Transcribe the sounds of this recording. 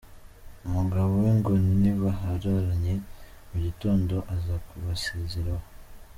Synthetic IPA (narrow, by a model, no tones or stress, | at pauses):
umuɡaβoweŋɡonniβaɦaɾaɾaɲe̞ | muɟito̞ːndo̞ʔazakuβaseːzeɾaho